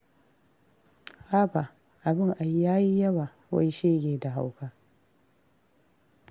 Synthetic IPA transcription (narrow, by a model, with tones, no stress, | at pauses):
ʔaː˦ba˨ʔ | ʔa˨bɪ˦ŋʔa˨jːaː˦ji˦jɐ˦ba˨ | wa̰˦jʃeː˦ɡʲeː˨da˨ɦa˦wkaː˦